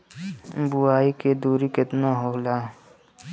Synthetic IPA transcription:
bʊaːiked̪uːɾikɪt̪naɦoːlaː

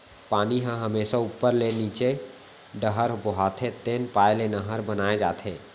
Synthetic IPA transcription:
paːniɦãɦɐmeːʃauːpːəɾleniːt͡ʃe | ɖəɦəɾbɔɦaːt̪ʰet̪eːnpaːjlenəɦəɾbənaːed͡ʒa̰ːt̪ʰẽː

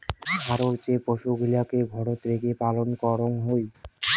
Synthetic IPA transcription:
bʱaɾoɾt͡ɕepoʃuɡʱilakebʱɔɽot̪ɾeɡepalonkɔɾonɦoj

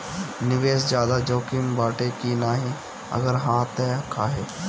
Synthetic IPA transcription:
nɪʋeːs̬d͡ʒjaːd̪ad͡ʒoːkɪmbaːʈekinaːɦĩ | ɐ̰ɡəɾɦãːt̪ɛkʰaːɦeː

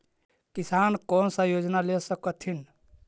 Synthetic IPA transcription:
kisankɔnsə̃jod͡ʒnalesəkət̪ʰin

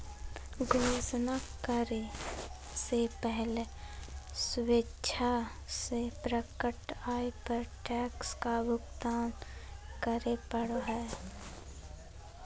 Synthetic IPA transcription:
ɡʱoːʃnakəɾe | sepɛɦle | sʊwetːʃʰa | sepɾəkəʈaːepəɾʈɛːkskabʊɡt̪aːnkəɾepəɽoɦɛː

